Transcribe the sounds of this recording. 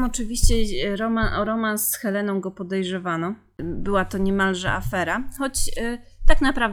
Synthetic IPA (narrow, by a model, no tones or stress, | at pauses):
mɔt͡ʂɘvʲiɕt͡ɕɛɾɔmaʔɔɾɔmansxɛlɛnɔ̃w̃ɡɔpɔd̪ɛjʐɛvanɔ | bɘwat̪ɔɲɛmalʐɛ̰ʔa̰fɛɾaxɔt͡ɕ | t̪aknapɾav